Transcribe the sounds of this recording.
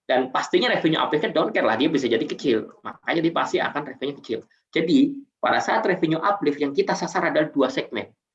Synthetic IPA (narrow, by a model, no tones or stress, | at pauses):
d̥anpast̪iɲaɾefiɲuʔa̰plɪfɲadonkɛrla̰hdiabis̬ad͡ʒadikət͡ʃɪlma̰kaɲadipast̪ia̰kanrefɛɲukə̥t͡ʃɪ̰l | d͡ʒadipa̰dasaat̪refiɲuʔaplɪfjaŋkit̪asasaɾadalahduasɛɡ̚mɛ̰n